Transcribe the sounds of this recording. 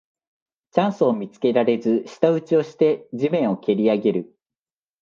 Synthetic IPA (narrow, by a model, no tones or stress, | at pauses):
t͡ɕãɰ̃sɨːmʲit͡sɨ̥ke̞ɾaɾe̞zɨɕi̥t̪aɯ̟t͡ɕio̞ɕi̥t̪e̞d͡ʑimẽ̞ɰ̃o̞ke̞ɾʲiaɡe̞ɾɯ̟